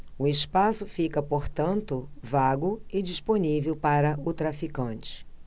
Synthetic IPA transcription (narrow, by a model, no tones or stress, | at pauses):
ʊɪspasʊfikɐpoɾt̪ɐ̃nt̪ʊvaɡʊɪd͡ʒisponivewpaɾɐʊt̪ɾafikɐ̃nt͡ʃɪ̥